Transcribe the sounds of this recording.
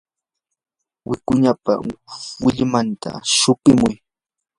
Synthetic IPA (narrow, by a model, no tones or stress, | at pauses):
wɪkʊɲapa̰wɪʎmant̪a̰ʃʊpɪmʊj